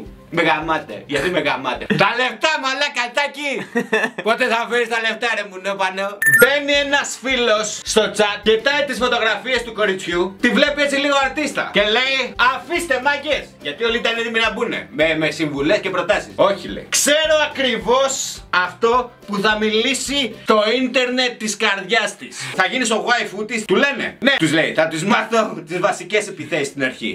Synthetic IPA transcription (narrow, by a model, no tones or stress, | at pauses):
meɣɐmɐt̪ḛʝɐt̪imeɣɐ̰mɐt̪ḛt̪ɐle̞pt̪ɐmɐlɐkɐt̪ɐci | po̞t̪e̞θɐfeɾist̪ɐleft̪ɐɾemuneopɐneobe̞nienɐsfilo̞sːt̪o̞t͡sɐt̪̚cet̪ɐit̪isfo̞t̪o̞ɣɾɐfiest̪uko̞ɾit͡sçut̪ivle̞piet͡siliɣoaɾt̪ist̪ɐ̰ce̞le̞iɐfist̪e̞mɐʝesʝɐt̪iolit̪ɐneðiminɐbune̞̰memesiɱvule̞scepɾo̞t̪ɐsiso̞çilḛikse̞ɾo̞ɐkɾivo̞sɐft̪o̞puθɐmilisit̪o̞int̪e̞ɾne̞t̪ːiskɐɾðʝɐst̪isθɐʝiniso̞ɣwajfut̪ist̪ule̞ne̞̰ne̞t̪uzleiθɐt̪uzmɐθo̞t̪izvɐsice̞sepiθesist̪inɐɾçḭ